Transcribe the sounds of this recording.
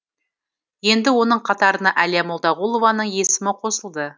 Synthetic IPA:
je̞nd̪ɪwo̞nəɴqʰɑt̪ɑɾənɑʔælijamolˠd̪ɑʁulˠo̞vɑnəɴje̞sɪmɪqʰo̞səlˠd̪ə

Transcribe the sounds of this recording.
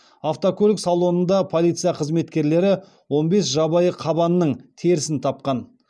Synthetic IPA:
aft̪okʰɵlʲɪksɑlˠo̞nənd̪ɑpʰolˠijt̪sɨjɑqʰəzme̞t̪kʲe̞ɾle̞ɾɪ | wo̞nbe̞sʒɑbɑjəqʰɑbɑnəːəɴt̪ʰeɾɪsɪnt̪ʰɑp̚qɑn

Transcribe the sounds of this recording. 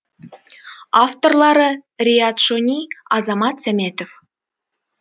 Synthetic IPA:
ɑft̪orlˠɑɾɤ̆rʲiɑt̪ʃonʲiɑzɑmɑt̪sʲæmʲet̪of

